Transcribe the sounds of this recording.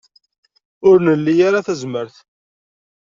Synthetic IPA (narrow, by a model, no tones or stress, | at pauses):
ʊɾnəlːijaɾaθæzməɾθ